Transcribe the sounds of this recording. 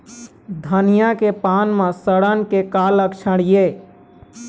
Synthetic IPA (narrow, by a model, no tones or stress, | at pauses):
d̪ʱənijakepanmẽsəɽənkekaləkt͡ʃʰəɽije